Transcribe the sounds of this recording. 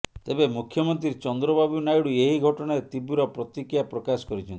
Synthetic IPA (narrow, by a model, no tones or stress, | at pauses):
t̪ebemukʰjɔmɔnt̪ɾiɾt͡ʃɔnd̪ɾɔbabunajɽueɦiɡʱɔʈɔɽ̃aɾet̪ibuɾɔpɾɔt̪ikijapɾɔkasɔ̥kɔɾit͡ʃʰɔnt̪i